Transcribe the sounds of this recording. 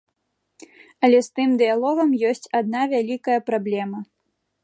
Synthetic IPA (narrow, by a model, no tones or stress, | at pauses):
ɐlʲɛst̪ɨmd̪ɨjalˠɔɣɐmjɔsʲt͡sʲad̪̚navʲalʲikɐjɐpɾablʲɛmɐ